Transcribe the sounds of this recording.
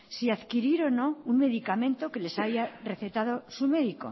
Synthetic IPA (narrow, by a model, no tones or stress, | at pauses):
siaðkiɾiɾo̞no̞unme̞ðikamẽ̞nt̪o̞ke̞le̞sajare̞θe̞t̪aðo̞sume̞ðiko̞̰